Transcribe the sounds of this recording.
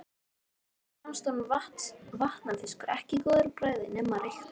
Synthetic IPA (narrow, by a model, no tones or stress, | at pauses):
amst̪ɔnvht̪vaht̪nanθɪ̥skʏɾɛhcɪkɔːðʏɾpɾaːjðɪnɛːmːarext̪